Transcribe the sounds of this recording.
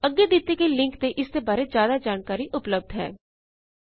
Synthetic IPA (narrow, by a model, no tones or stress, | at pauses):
əɡːed̪ɪt̪ːekelɪ̃ŋkt̪eʔɪst̪ebaːɾezjaːd̪ad͡ʒaːnkaːɾiʔʊpləb̚d̪ʱɦɛ̰ː